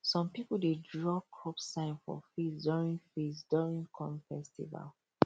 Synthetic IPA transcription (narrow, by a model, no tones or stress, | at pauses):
sɔ̃mpipuldedɹɔkʰɹɔpsãɪ̃nfɔ̰fisdɔɹĩnfisdɔɹĩŋkʰɔ̃mfɛstḭva̰l